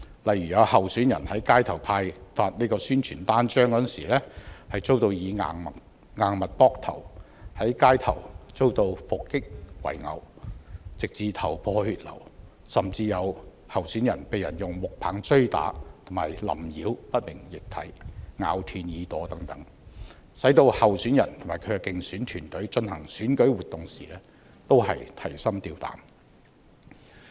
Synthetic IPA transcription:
lɐ˨jɥyː˨˩jɐ˨˧hɐ˨˩wsyː˨˥njɐ˨˩nhɐ˨˥jkaː˥jt̪ʰɐ˨˩wpʰaː˧jfaː˧t̚ne˥kɔː˧syː˥nt͡ʃʰyː˨˩nt̪aː˥nt͡ʃœː˥ŋkɔ˨˥nsiː˨˩lɛː˥hɐ˨jt͡so˥wt̪o˧wjiː˨˧ŋaː˨ŋmɐ˨t̚ | ŋaː˨ŋmɐ˨t̚pɔː˥k̚t̪ʰɐ̰˨˩w | hɐ˨˥jkaː˥jt̪ʰɐ˨˩wt͡so˥wt̪o˧wfʊ˨kːɪ˥k̚wɐ̰˨˩jŋɐ̰˨˩w | t͡sɪ˨k̚t͡siː˨˧t̪ʰɐ˨˩wpʰɔː˧hyː˨t̚lɐ̰˨˩w | sɐ˨mt͡siː˧jɐ˨˧w | hɐ˨˩wsyː˨˥njɐ˨˩npe˨jɐ˨˩njʊ˨ŋmʊ˨k̚pʰaː˨˥ŋt͡sɵ˥ɥt̪a̰ː˨˥t̪ʰʊ˨˩ŋmaː˨˩jlɐ̰˨˩mjiː˨˧wpɐ˥t̚mɪ˨˩ŋjɪ˨k̚t̪ʰɐ̰˨˥jŋa̰ː˨˧wt̪ʰyː˧njiː˨˧t̪ɔː˨˥t̪ɐ˨˥ŋt̪ɐ˨˥ŋ | sɐ˨˥jt̪o˧whɐ˨wsyː˨˥njɐ̰˨˩nt̪ʰʊ˨˩maː˨˩kʰɵ˨˧ɥɛ˧kɪ˨ŋsyː˨˥nt̪ʰyː˨˩nt̪ɵ˨˥ɥt͡ʃɵ˧nhɐ˨˩ŋsyː˨˥nkɵ˨˥ɥwuː˨t̪ːʊ˨ŋsiː˨lɛː˥ | t̪o˥whɐ̰˨jt̪ʰɐ˨˩jsɐ˥mt̪iː˧wt̪a̰ː˨˥m

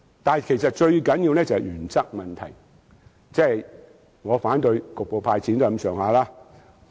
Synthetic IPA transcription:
t̪aː˨˩kʰe˨˩jsɐ˨t̚t͡ʃɵ˧ɥkɐ˨˥nji˧wnɛː˥t͡sɐ˨hɛ˨jyː˨˩nt͡sɐ˥k̚mɐ˨nt̪ʰɐ̰˨˩j | t͡sɛː˥˨j | ŋɔː˨˧faː˨˥nt̪ɵ˧ɥkʊ˨k̚po˨˧wpʰaː˧jt͡sʰiː˨˥nt̪o˥ɐ˧˥msœː˨˧ŋhaː˨laː˥

